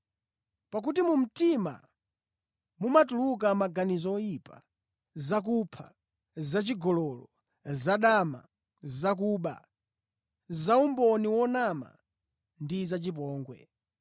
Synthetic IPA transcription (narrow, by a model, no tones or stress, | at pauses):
pak̬utimum̩tima̰ | mumatuluk̬amaɡanizɔɔjipa | zak̬upʰa̰ | zat͡ʃiɡɔlɔlɔ̰ | zaɗama̰ | zak̬uːɓa̰ | zaumbɔniwɔnama̰ | ndizat͡ʃip̬ɔːŋɡwɛ̰